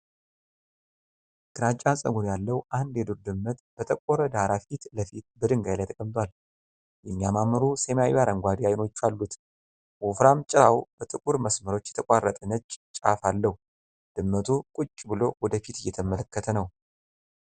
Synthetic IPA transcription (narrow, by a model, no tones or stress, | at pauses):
ɡ̥ɨɾat͡ʃʼːansʼə̰ɡonjalːəwʔand̪jɛd̪uɾd̪ɨmːət̪b̥ət̪ʼəkʷʼoɾəd̪aɾafit̪ləfit̪bəd̪ɨŋɡajlajt̪ʰəkʼəmt̪ʰʼwal | jɛmːiamaməɾusemajjaɾəŋɡʷad̪iajno̞t͡ʃːalːut̪ | wufɾamt͡ʃʼɪɾawb̥ət̪ʼɨkʼuɾməsməɾo̞t͡ʃːjɛt̪ʰəkʼarːət̪ʼənət͡ʃʼːt͡ʃʼafalːəhu | d̪̥ɨmːət̪ʰukʼut͡ʃʼːbɨlo̞wɔd̪əfit̪ɨjːɛt̪ʰəmələkːət̪ʰənəw